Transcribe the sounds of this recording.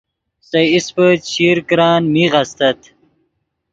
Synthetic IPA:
sɐjispət͡ɕʰiɾkɾɑːnmiʁɐst̪ɐt̪

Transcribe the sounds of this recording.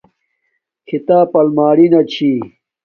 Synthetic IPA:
kʰit̪aːpɐlmaːɽinɐt͡ɕʰi

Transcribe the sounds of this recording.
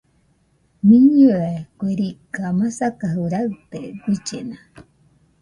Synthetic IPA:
miɲuekʷeɾikamasakaɦuɾat̪eɡʷit͡ʃena

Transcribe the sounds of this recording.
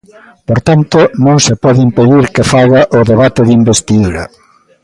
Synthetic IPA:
poɾt̪ant̪onõŋsepɔðɪimpeðiɾkɪfaɣaʔʊðeβat̪ɪðimbest̪iðuɾɐ̰

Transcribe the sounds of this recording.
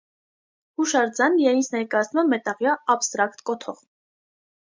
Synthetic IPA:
huʃɑɾd͡zɑnjɑjint͡sʰnɛɾkɑjɑt͡sʰnumɛmɛt̪ɑʁjɑːbst̪ɾɑkt̪kɔt̪ʰɔʁ

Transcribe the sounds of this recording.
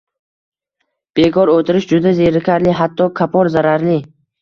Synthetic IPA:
b̥e̞kʰɒɾot̪ʰɪɾɪʃd͡ʒʊd̪azeɾɪkʲʰaɾlɪɦat̪ʰːɒkʰapʰɒɾzaɾaɾlɪ

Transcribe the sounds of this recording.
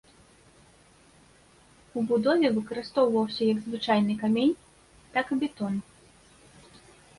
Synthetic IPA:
ubud̪ɔvʲɛvɨkɐɾɨst̪ɔwvɐwsʲɐjɐɡzvɨt͡ʂajnɨkamʲenʲ | t̪akɨbʲɛt̪ɔn

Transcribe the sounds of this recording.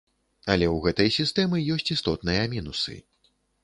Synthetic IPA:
ɐlʲɛwɣɛt̪ɐjsʲist̪ɛmɨjɔsʲt͡sʲist̪ɔt̪nɨjɐmʲinusɨ̰

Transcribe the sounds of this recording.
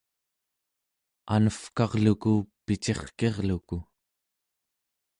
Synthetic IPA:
a̰nəfkɑʁlukupit͡ʃe̞χke̞ʁluku

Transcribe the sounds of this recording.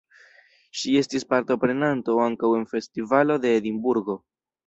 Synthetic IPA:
ʃie̞stispaɾto̞pɾe̞nanto̞aŋkawe̞nfe̞stivalo̞de̞ːdimbuɾɡo̞

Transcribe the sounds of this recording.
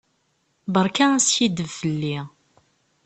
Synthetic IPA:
bəɾˤkaæsçid̪əvfəlːi

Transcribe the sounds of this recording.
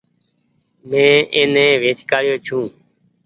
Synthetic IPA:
mẽːʔeːnẽːʋeːt͡ʃkaːjoːt͡ʃʰũː

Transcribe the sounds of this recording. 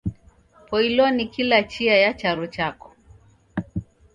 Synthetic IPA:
pɔilɔnikilat͡ʃiajat͡ʃaɾɔt͡ʃakɔ̥

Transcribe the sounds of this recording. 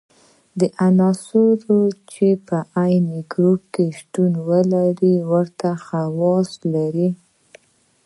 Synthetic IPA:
d̪əʔanɑsuɾot͡ʃepəʔajneɡɾup̚keʃt̪unwəlaɾiwəɾt̪axawɑslaɾi

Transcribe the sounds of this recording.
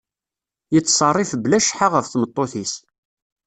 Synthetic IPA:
jət͡sːsˤɑrˤːɪfblæʃħaʁəfθmət̪ˤːoθis

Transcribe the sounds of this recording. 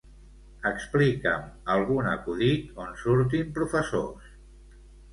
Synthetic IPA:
əksplikəməlˠɣunə̰kuðit̪onsuɾt̪̬impɾufəso̰s

